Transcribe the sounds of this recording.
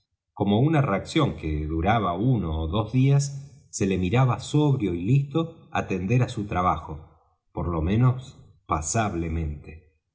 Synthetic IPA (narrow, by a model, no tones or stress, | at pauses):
ko̞mo̞unareaksjo̞ŋkeðuɾaβaunoːðo̞zðiasːe̞le̞miɾaβaso̞βɾjo̞ilist̪o̞a̰t̪e̞nd̪e̞ɾasut̪ɾaβaxo̞ | poɾlo̞mẽ̞nos | pasaβlemẽ̞nt̪e